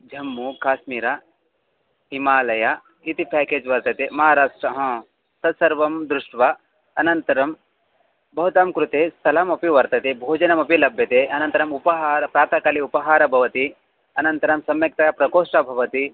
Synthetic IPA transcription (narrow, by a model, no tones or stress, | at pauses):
d͡ʒʱɐmːukaːʃmiːɾɐ | ɦimaːlɐja | it̪ipɛːkeːd͡ʒʋɐɾt̪ɐt̪emɐɦaːɾaːʂʈɾɐɦɐ̃ | sɐd̪sɐɾʋɐmd̪ɾuʂʈʋɐ | ɐnɐnt̪ɐɾɐm | bʱɐɦut̪aːmkɾut̪eːst̪ʰɐlɐmɐpiʋɐɾt̪ɐt̪ebʱoːd͡ʒɐnɐmɐpilɐbʱjɐt̪eʔɐnɐnt̪ɐɾɐmupɐɦaːɾɐpɾaːt̪ɐkɐliupɐɦaːɾɐbʱɐʋɐt̪i | ɐnɐnt̪ɐɾɐmsɐmjɐk̚t̪ɐjpɾɐkoːʂʈɐbʱɐʋɐt̪i